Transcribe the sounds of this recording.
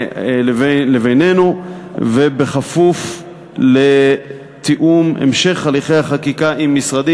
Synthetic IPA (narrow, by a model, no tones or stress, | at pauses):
velevejnenuvebe̞χafuf | le | t̪iʔumḛmʃe̞χaliχejhaχakikaʔimːisʁad̪i